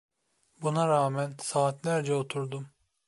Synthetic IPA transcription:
bunaɾaːmænsaːt̪næɾd͡ʒɛot̪ʰuɾd̪um

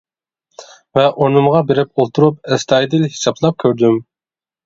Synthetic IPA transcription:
vɛʔonɨmʁɑbeɾɪpolˠt̪ʰuɾup̚ɛst̪ʰɑjd̪ɪlhi̥sɑbʰlˠɑp̚kʲʰøɾd̪ym

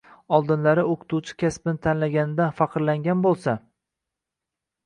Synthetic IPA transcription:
ɒlˠd̪ɪnlaɾɪoqʰɨ̥t̪ʰut͡ʃʰɪ̥kʲaspɪnɪt̪ʰanlaɡʲanɪd̪anfɑqʰɨɾlaŋɡʲanbolˠsa

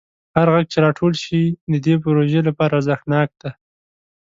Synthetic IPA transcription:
haɾɣaɡ̚t͡ʃeɾɑʈʰolʃid̪əd̪ep̬ʊɾoʒelapɑɾazaxnɑk̚d̪̥a

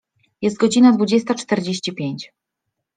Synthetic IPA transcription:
jɛst̪̚ɡɔd͡ʑinad̪vud͡ʑɛst̪at͡ʂt̪ɛɾd͡ʑeɕt͡ɕipʲjeɲt͡ɕ

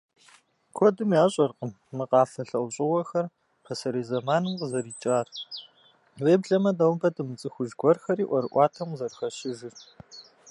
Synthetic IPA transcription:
kʷʰɔdɨmjaːɕʼɐrqəmːɨqɑːfɐɬɐwɕʼɪwɐxɐr | pʰɐsɐɾiːzɐmaːnɨmqəzɐɾiːt͡ʃʼaːr | weːbɮɐmɐdɐwmbɐdɨmɨt͡sʼɨxʷʊʒɡʷʰɔrxɐɾiːʔʷɔɾɨʔʷɑːtʰɐmzɐrxɐɕɪʒɪr

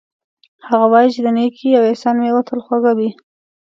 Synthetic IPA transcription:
haɣawɑjit͡ʃɪd̪ənekʰiawesɑnmewat̪ʰəlxwaɡawi

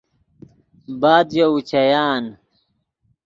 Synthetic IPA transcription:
baːd̪jout͡ɕɐjaːn

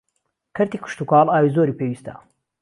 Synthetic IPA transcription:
kʰɐɾt̪ikʰʊ̥ʃt̪ukaːlaːwiːzoːɾiːpʰewiːst̪a̰

